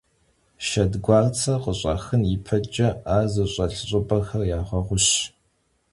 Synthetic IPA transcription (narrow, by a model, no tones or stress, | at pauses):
ʃɐdɡʷɑːrt͡sʰɐqəɕʼɐ̰xɨnjipʰɐd͡ʒʼɐaːzɨɕʼɐɬɨɕʼʊbɐxɐrjaːχʷɐʁʷʊɕ